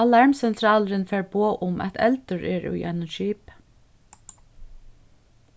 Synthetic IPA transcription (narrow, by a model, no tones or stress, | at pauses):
alɑɹmsɛnt̪ʰɾaːləɾɪnfɛːɹpoːʔʊmʔæ̰t̪ʰɛ̰lt̪ʊɹɛɹʊ̰jʔa̰ɪnʊnʃiːp